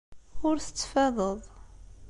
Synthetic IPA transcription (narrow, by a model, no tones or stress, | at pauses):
ʊɾθə̥t͡sːfæðˤəðˤ